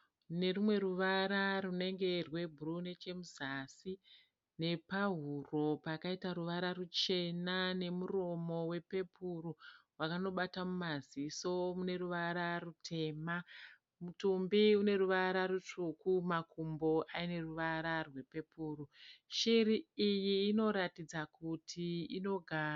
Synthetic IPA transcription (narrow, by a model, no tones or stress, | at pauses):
ne̞rumwe̞ɾuʋaɾarune̞ŋɡe̞rwe̞bʱurune̞t͡ʃe̞muzasi | ne̞paɦuro̞pakaitaɾuʋaɾarut͡ʃe̞nane̞muro̞mo̞we̞pe̞puruwakano̞ɓatamumaziso̞mune̞ruʋaɾarutʰe̞ːma | mutumbiune̞ɾuʋaɾarut͡ʂukumakumbo̞ʔaine̞ruʋaɾarwe̞pe̞puːruʃiɾiijiːno̞ɾatid͡zakutʰiino̞ɡʱa